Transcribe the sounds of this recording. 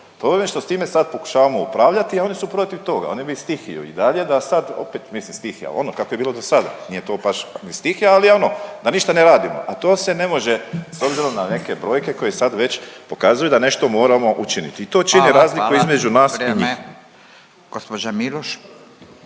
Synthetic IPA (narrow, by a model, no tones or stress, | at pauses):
p̪oʋemeʃt̪o̞st̪iːme̞sad̪̚po̞ku̥ʃaːʋamo̞upɾaːʋʎat̪iao̞nisupɾo̞t̪iʋt̪o̞ɡa̰o̞nibist̪ixḭjṵḭd̪aʎe̞d̪asad̪o̞̰pet̪mislimst̪ixja̰o̞̰nokakojebiːlod̪o̞sad̪a̰nije̞t̪o̞ːbaʃnist̪ixjaalio̞no̞d̪aniʃt̪aneɾaːd̪imo̞̰ʔat̪o̞ːse̞ne̞mo̞ʒe̞so̞bziɾo̞mnane̞ke̞bɾo̞ːjke̞ko̞jesad̪ʋe̞t͡ɕpo̞kaːzujud̪ane̞ʃt̪o̞mo̞ːɾamo̞ʔut͡ʃinḭt̪iːt̪o̞ːt͡ʃiniɾaːzlikuizme̞d͡ʒunaːsiɲiː | ɡ̥ospod͡ʒamiloʃ